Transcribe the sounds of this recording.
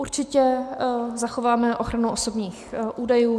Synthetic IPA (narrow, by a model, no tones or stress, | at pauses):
uɾt͡ʃɪcɛ | zaxo̞vaːmɛʔoxɾanuʔosobɲiːxʔuːdajuː